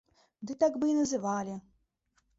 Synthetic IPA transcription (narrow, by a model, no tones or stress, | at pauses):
d̪ɨt̪akbɨnɐzɨʋɑlʲɪ